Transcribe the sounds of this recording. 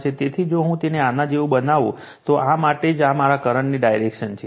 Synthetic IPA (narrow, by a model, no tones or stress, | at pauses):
t͡ʃʰet̪et̪ʰid͡ʒoɦũt̪eneanad͡ʒeʋũbənaʋṵ̃ | t̪oʔamaʈed͡ʒamaɾakəɾəɳniɖajɾekʃənt͡ʃʰe